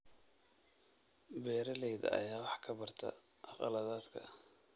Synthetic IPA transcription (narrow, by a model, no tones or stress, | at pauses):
bɛːɾɐlɛjðɐ̰ɐ̰jaːwɑħkʰɐbɐrt̪ʰɐ̰ | ʔɑqɑ̰lɐðaːd̪kʰɐ̰